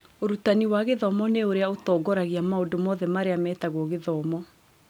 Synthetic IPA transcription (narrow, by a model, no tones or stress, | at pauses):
oɾutaniwaɣeðɔmɔneoɾeaotɔːɡɔɾaɣiamaodomɔðɛmaɾeamɛːtaɣwɔɣeðɔmɔ